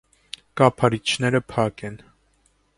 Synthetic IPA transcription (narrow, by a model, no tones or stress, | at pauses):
kɑpʰɑɾit͡ʃʰnɛɾəpʰɑkɛn